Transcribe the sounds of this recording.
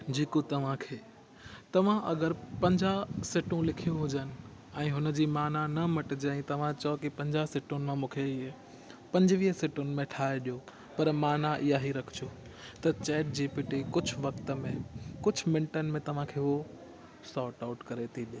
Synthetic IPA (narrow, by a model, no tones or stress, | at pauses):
d͡ʑeːkot̪ɐʋ̤ãkʰeː | t̪ɐʋ̤ãʔɐɡəɾpɐ̃ɲd͡ʑasɪʈũlɪkʰijũɦʊd͡ʑənɪ̆ | ɛ̃ːɦʊnəd͡ʑiːmaːnanɐmɐʈɪd͡ʑẽĩt̪ɐʋ̤ãt͡ɕɐokipɐ̃ɲd͡ʑasɪʈʊnɪ̆mãmũːkʰe | pɐ̃ɲd͡ʑʋiːɦəsɪʈʊnɪ̆mẽʈʰaːeɗijo | pɐɾmaːnaʔijaɦiɾɐkʰd͡ʑot̪ɐt͡ɕɛːʈ̚d͡ʑiːpɪʈikʊd͡ʑʱʊʋɐkt̪əmẽkʊd͡ʑ̆ʱmɪ̃ɳʈənɪ̆mẽt̪ɐʋ̤ãkʰeːo | saːɾʈaʊʈkɐɾet̪ʰiɗijoː